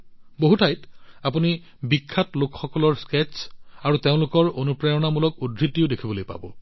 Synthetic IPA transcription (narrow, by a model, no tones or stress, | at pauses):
boɦutʰajtapuni | bikʰːatlʊkxɔkɔlɔɹsket͡ʃaɹuteʊ̃lʊkɔɹonupɹajɔnamulɔk̚udʱɹitiʊdekʰibolojpa̰bɔ̰